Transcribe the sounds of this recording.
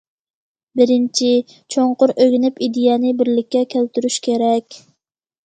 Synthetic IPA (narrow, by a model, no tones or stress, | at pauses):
bɪɾɪnt͡ʃʰi | t͡ʃʰoɴqʊɾøɡʲnɪpid̪ejɛnɪbɪɾlɪkʲːɛkʲʰælt̪yɾyʃkʲʰeɾɛkʲ